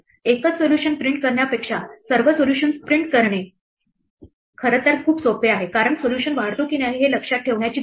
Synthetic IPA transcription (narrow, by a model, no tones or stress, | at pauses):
ekət͡ssoljuɕənpɾiɳʈ̚kəɾɳjapekʂasəɾʋəsoluɕənspɾiɳʈ̚kəɾɳe | kʰəɾət̪ːəɾkʰuːpsopeaɦekaɾəɳsoljuɕənʋaɽt̪ukinjaɦiɦeləkʂat̪̚ʈʰːeʋɳjat͡ɕiː